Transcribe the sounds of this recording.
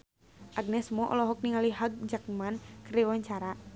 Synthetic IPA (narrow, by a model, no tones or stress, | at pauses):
ʔaɡ̚nɛsmɔʔɔ̰lɔɦɔk̚niŋaliɦaɡ̚d͡ʒak̚mankriwaɲt͡ʃaɾa